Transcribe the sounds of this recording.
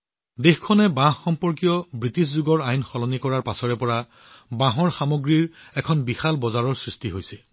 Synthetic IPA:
dexkʰɔnɛbãɦxɔmpɔɹkijɔbɹitis̬zuɡɔɹajnxɔlɔnikɔɹaɹpasɔɹɛpɔɹa | bãɦɔɹxamoɡɹiɹɛkʰɔnbixalbɔzaɹɔɹsɹistiɦojsɛ

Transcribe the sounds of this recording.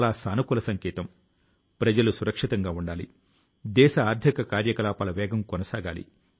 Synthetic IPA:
laːsaːnukulɐsɐŋkɛːt̪ɐm | pɾɐd͡ʒɐlusuɾɐkʂit̪ɐŋɡaːuɳɖaːlḭ | d̪ɛːʃɐaːɾd̪ʱjɐkɐkaːɾjɐkɐlaːpɐːlɐʋɛːɡɐmkɔnɐsaːɡaːlḭ

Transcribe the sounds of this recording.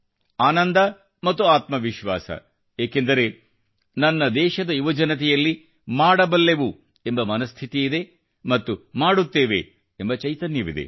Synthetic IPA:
aːnɐnd̪ɐ | mɐt̪ːuaːt̪mɐʋiʃʋaːsɐ̰ | eːkend̪ɐɾe̞ | nɐnːɐd̪ɛːʃɐd̪ɐiʋɐd͡ʒɐnɐt̪̬ɛjɐlːi | maːɽɐbɐlːe̞ʋu | embɐmɐnɐst̪ʰit̪iid̪e̞ | mɐt̪ːumaːɽut̪ːeːʋḛ | embɐt͡ʃɐjt̪ɐnjɐʋid̪ḛ

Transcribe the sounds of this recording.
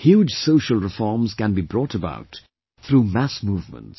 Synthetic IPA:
hjʉd̥ʒ̥soʊʃəl̩ˠɹɨfɔɹmz̥kɨ̃nbibɹɔɾəba̰ʊt̪ | θɹumæsmuvmə̰̃nts

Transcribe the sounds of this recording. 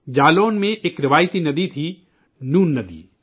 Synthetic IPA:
d͡ʒaːloːnmẽʔeːkɾɪʋaːjt̪inɐd̪it̪ʰi | nuːnːɐd̪ḭː

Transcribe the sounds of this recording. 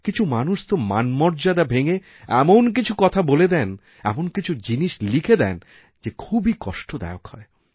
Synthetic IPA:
kit͡ɕʰumanuʃt̪omanmɔɾd͡ʑad̪abʱeŋe | ɛmonk̬it͡ɕʰukɔt̪ʰaboled̪ɛn | ɛ̰monkit͡ɕʰud͡ʑiniʃlikʰed̪ɛn | d͡ʑekʰubikɔ̰ʃʈʰod̪a̰eokhɔe

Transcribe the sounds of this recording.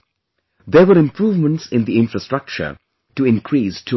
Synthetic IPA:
d̪əʋəɾɪ̃mpʰɾuːvmə̃nʈsɪ̃nd̪iɪ̃nfɹəstɹʌk̚t͡ʃə̰ | ʈuɪ̃nkʰɾiːsʈʰu

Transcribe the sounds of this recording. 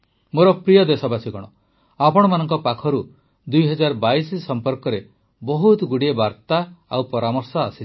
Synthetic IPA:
moɾɔpɾijɔd̪esɔbasiɡɔɽ̰̃ | apɔɽ̃ɔmanɔŋkɔpakʰɔɾu | d̪ujɦɔd͡ʒaɾɔbajssɔmpɔɾkɔɾe | bɔɦut̪ɔɡuɽiebaɾt̪aawpɔɾamɔɾsɔasit͡ʃʰi̥

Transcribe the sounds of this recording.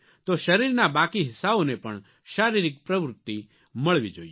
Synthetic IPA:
t̪oʃɐɾiːɾnabaːkiɦɪsaːbonepɐɳ | ʃaːɾiːɾɪk̚pɾɐʋɾʊt̪ːi | mɐɭʋḭd͡ʒoːi

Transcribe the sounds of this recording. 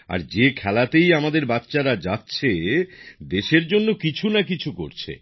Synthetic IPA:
a̰ɾd͡ʑekʰɛlat̪ejamad̪eɾbatːɕaɾad͡ʑatːɕʰe | d̪eʃeɾd͡ʑonːokit͡ɕʰunakit͡ɕʰuko̰ɾt͡ɕʰḛ

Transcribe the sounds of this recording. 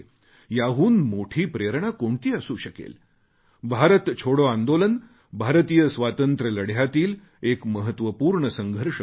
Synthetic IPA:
jaɦuːnmoʈʰiːpɾeɾɳakoɳt̪iːəsuːɕəkḛl | bʱaɾət̪t͡ɕʰoɽoãnd̪olən | bʱaɾt̪iːjəsʋat̪ənt̪ɾələɽjat̪iːl | ekməɦət̪ʋəpuːɾɳəsəŋɡʱəɾʂə

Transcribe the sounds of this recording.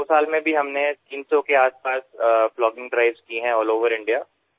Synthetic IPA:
ʊsaːlmẽbʱiɦɐmnet̪iːnsokeaːspaːsblɔːɡɪ̃ŋɡɖɾaɪbzkiɦɛ̃ɔːloːʋəɾɪ̃ɳɖijaː

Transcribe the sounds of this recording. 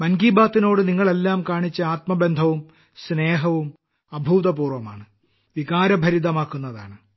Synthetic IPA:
mɐnɡiːbaːt̪ːino̞ːɽɨniŋːɐɭe̞lːaːmkaːɳit͡ɕːɨaːt̪mɐbe̞nd̪ʱɐʋum | sne̞ːɦɐʋum | ɐbʱuːd̪ɐbuːrʋɐmaːɳɨ | ʋiɣaːɾɐbʱɐɾid̪ɐmaːkːunːɐða̰ːɳɨ

